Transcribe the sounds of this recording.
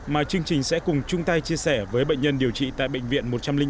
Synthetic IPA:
maː˨˩t͡ɕɨ˧əŋt͡ɕï˨˩ŋ̟sɛ̰˧˥kʊ˨˩ŋ͡mt͡ɕʊ˧ŋ͡mt̪a˧jt͡ɕi˧əsɛ˧˩vəː˨˦jɓə̰˧˨jŋ̟ɲə˧nɗi˨˩əwt͡ɕḭ˧˨t̪a̰ː˧˨jɓə̰˧˨ŋ̟vḭ˧˨ənmo˨˩t̚t͡ɕa˧mlï˧ŋ

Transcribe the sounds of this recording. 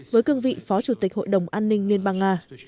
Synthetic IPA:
vəː˨˦jkɨ˧ənvḭ˧˨fɔ˨˦t͡ɕu˧˩t̪i˨˩k̚ho̰˧˨jɗə˨˩wŋ͡mʔaː˧nːï˧ŋ̟li˧ənɓaː˧ŋŋaː˧

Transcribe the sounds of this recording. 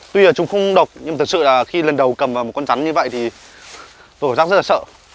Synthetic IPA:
t̪wi˧˨˩t͡ɕʊ˨˦ŋ͡mxə˧wŋ͡mɗə˨˩wk͡p̚ɲɨ˧m˨˩t̪ʰk̚sɨ̰˧˨laː˨˩xi˧lə˨˩nɗə˨˩wkə˨˩mva˨˩mo˨˩t̚kɔ˧nt͡ɕa˨˦nɲɨ˧və̰˧˨jt̪ʰi˨˩ | t̪o˧˦kaː˧˩zaː˦˥z̚la˨˩sə̰ː˧˨

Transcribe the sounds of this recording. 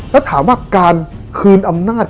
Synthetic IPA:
lɛː˦˥wt̪ʰaː˩˦mwaː˧˩kaː˧n | kʰɯː˧nʔa˧mnaː˥˩t̚

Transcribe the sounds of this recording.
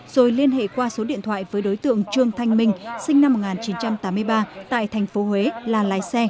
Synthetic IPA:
z̥o˨˩jli˧ənhḛ˧˨kwaː˧so˨˦ɗḭ˧˨ənt̪ʰwa̰ː˧˨jvəː˨˦jɗo˨˦jt̪ɨ̰˧˨əŋt͡ɕɨ˧əŋt̪ʰa˧jŋ̟mï˧ŋ̟sï˧ŋna˧mː˨˩t̚ŋaː˨˩nt͡ɕi˨˦nt͡ɕa˧mt̪aː˨˦mɨ˧əjɓaː˧t̪a̰ː˧˨jt̪ʰɛ˨˩ŋ̟fo˨˦hwe˨˦laː˨˩la̰ː˨˦jsɛ˧

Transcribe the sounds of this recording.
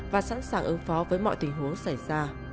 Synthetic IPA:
vaː˨˩sa̰˧˥nsaː˨˩ŋʔɨ˨˦ŋfɔ˨˦vəː˨˦jmɔ̰˧˨jt̪ï˨˩ŋ̟ɦu˨˦əŋsa˧˩jzaː˧

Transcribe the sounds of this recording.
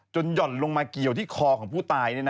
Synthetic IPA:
t͡ɕo˧njɔ˨˩t̪̚lo˧ŋmaː˧ki˨˩əwt̪ʰiː˥˩kʰɔː˧kʰɔː˩˦ŋpʰuː˥˩t̪aː˧jna˥˩n˦

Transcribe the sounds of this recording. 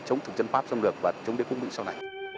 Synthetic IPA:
t͡ɕə˨˦wŋ͡mt̪ʰɨ˨˩k̚zə˧nfaː˦˥p̚za˧ŋ͡mlɨ˨˩ək̚vaː˨˩˨t͡ɕə˨˦wŋ͡mɗe˨˦kʊ˧ŋ͡mmḭ˧˥sa˧wna˨˩j

